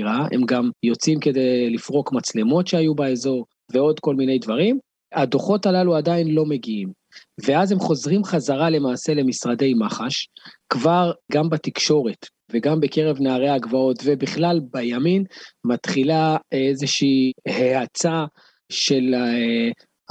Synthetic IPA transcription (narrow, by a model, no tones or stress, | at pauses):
ʁae̞̰mɡamjo̞t͡simke̞d̪e̞jlifʁo̞kmat͡slemo̞tʃeajubaezo̞ʁ | ve̞o̞d̪ko̞lmine̞jdvaʁim | ad̪o̞χo̞talaluadainlo̞me̞ɡiim | veazemχo̞zʁimχazaʁale̞maːse̞le̞misʁade̞jmaχaʃkvaʁɡambat̪ikʃo̞ʁe̞t̪ | veɡambeke̞ʁe̞vnaːʁeaɡvao̞tve̞biχlalbajaminmat̪χilaezeʃiːheat͡sa | ʃe̞l